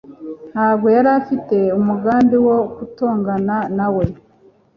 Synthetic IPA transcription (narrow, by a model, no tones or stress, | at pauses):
nhaːbɡo̞jaɾafite̞umuɡaːnbiwokuto̞ːŋɡananawe̞